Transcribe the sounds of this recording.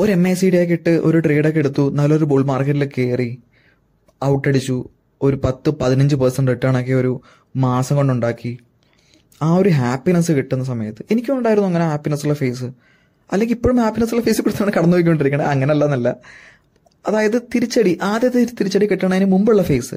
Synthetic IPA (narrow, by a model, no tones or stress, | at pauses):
o̞ɾemːeːsiːɽijaːkːeiʈːɨʔo̞̰ɾuʈreːɽokːeɽut̪ːunɐlːoɾuboːɭmaːrkːeʈːilekːe̞ːri | ɐwʈːeɽit͡ɕːu | o̞ɾupɐt̪ːɨpɐðinɐɲd͡ʑɨpɐrsɐɳɖeiʈːaːɳokːeo̞ɾu | maːsɐmŋko̞ɳɖuɳɖaːkːi | aːo̞ɾuɦaːpːinɐs̬ɨkiʈːenːɐs̬ɐmɐjɐt̪ːɨe̞nikʲːumuɳɖaːjiɾunːuɐŋːɐnehaːpːinɐsuɭːɐfejs̬ɨ | ɐ̰lːe̞ŋɡilipːo̞ːɽumhaːpːinɐsuɭːɐfejsɨkuɽut̪ːaːɳɨkɐɽɐnːuʋɐk̬ʲːoɳɖiɾikʲːɐɳɖeɐŋːɐneɐlːaːnɐlːɐ̰ | ɐðaːjɐðɨt̪iɾit͡ɕːɐɽiʔaːd̪jet̪ːet̪iɾit͡ɕːɐɽikiʈːɐːɳːenmumbuɭːɐfejsɨ̰